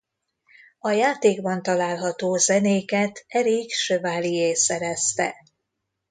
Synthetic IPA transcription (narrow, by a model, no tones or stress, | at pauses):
ɒjaːt̪eːɡbɒnt̪ɒlaːlɦɒt̪oːzɛneːkɛt̪ɛɾikʃøvaːlijeːsɛɾɛst̪ɛ̰